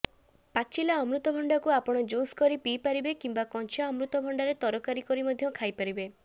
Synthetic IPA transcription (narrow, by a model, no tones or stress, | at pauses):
pat͡ʃilaɔmɾut̪ɔbʱɔɳɖakuapɔɽ̃ɔd͡ʒoskɔɾipipaɾibekimbakɔnt͡ʃjaɔmɾut̪ɔbʱɔɳɖaɾet̪ɔɾɔkaɾikɔɾimɔd̪ʱjɔkʰajpaɾibe